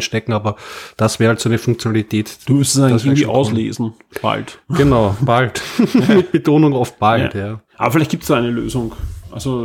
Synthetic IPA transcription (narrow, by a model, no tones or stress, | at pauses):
nʃtɛkŋ̩aːbɐd̥asv̥ɛːʁhaltsoanəfʊŋk̚t͡sjonalitʰɛːtumʏstsansçɪːŋndiʔa̰ʊslḛːzn̩ | b̥a̰ltɡ̥ənaʊb̥altmɪt̚b̥etʰoːnʊŋɔf̚b̥altjaːʔa̰ːbɐfɪlæɪçt̚ɡ̥iːptsd̥aːæɪnəlø̰ːzʊŋʔa̰lzo